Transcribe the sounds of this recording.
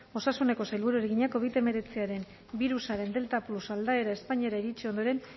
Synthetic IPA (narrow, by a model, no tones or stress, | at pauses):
o̞sasune̞ko̞sajlβuɾue̞ɾeɣiɲako̞β̞it̪e̞me̞ɾe̞t͡siaɾe̞m | biɾusaɾe̞nd̪e̞lt̪aplusald̪ae̞ɾae̞spaɲeɾaiɾit͡ʃio̞nd̪o̞ɾe̞n